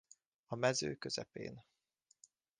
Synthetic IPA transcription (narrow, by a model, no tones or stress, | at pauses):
ɒmɛzøːkø̞zɛpḛːn